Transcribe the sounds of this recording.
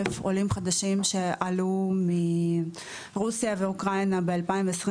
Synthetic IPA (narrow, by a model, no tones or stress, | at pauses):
efolimχad̪aʃimʃe̞ʔalumi | ʁusjave̞ukʁajnabealpaiɱveːsʁi